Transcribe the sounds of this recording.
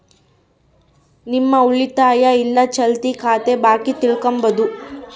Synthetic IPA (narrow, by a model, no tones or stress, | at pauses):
nimːɐuɭit̪aːjɐilːɐt͡ʃɐlt̪ikʰaːt̪ebaːkit̪iɭkombɐd̪u